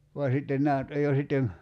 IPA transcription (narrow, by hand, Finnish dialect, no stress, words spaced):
ʋɑ sitːen næː nyt oj jo sitːem